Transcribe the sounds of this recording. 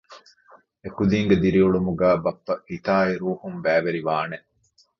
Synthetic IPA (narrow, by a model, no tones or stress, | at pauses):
ekud̪iːŋɡed̪iɾiuɭumuɡæːbɐpːɐʔit̪aːiɾuːhumʋæːʋeɾiʋaːneʔ